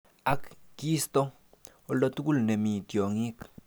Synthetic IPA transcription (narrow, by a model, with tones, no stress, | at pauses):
a˦kki˦st̪o˦ | o˧lo˧t̪u˦ɡu˦˨lne˨mi˨t̪jo˨ŋi˦k